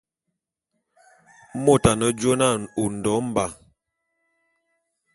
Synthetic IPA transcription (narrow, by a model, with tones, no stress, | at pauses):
mo˦˨ta˨nə˨d͡ʒo˦na˦˨u˨n̩˨dɔ˨˦m̩˦ba˨